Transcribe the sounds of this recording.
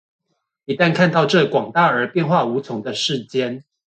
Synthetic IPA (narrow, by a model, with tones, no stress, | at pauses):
i˧˥t̪a˥˧nkʰa˥˧nt̪ɑ˥˧ʊʈ͡ʂɤ˥˨kwɑ˨˩ŋt̪a˥˩ə˞˨˥pjɛ˥˧nxwa˥˩u˧˥t͡sʰʊ˧˦ŋd̪ə˧ʂɻ̩˥˩t͡ɕjɛ˥n